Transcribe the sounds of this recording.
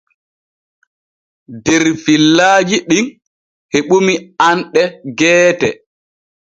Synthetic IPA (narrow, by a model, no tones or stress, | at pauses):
dɛɾfilːaːd͡ʒiɗin | heɓumianɗɛɡɛːtɛ